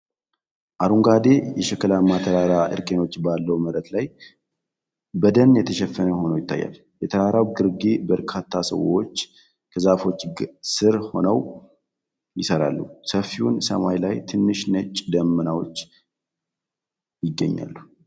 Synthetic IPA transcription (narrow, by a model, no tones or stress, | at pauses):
ʔaɾuŋɡad̪e̞jɛʃɛkːəlamːat̪ʰəɾaɾaʔɨ̰ɾkʼeno̞t͡ʃːbalːəwməɾət̪laj | bəd̪ənjɛt̪ʰəʃɛfːənəho̞nəwjɪt̪ʰːa̰jːa̰l | jɛt̪ʰəɾaɾawɡɨɾɡebəɾkʰat̪ʰːasə̰wo̞̰t͡ʃː | kʰəzafo̞t͡ʃːɡsɨɾho̞nəw | jɪsəɾa̰lːusəfːiwunsəmajlajt̪ʰɨnːɨʃnət͡ʃʼd̪əmːənawo̞t͡ʃː | jɪɡːəɲːa̰lːu